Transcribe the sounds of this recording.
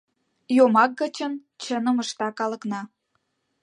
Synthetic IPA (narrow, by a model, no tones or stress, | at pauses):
jomɑk̚ɡə̆t͡ɕən | t͡ɕənə̆mə̆ʃt̪ɑkɑlɤ̆knɑ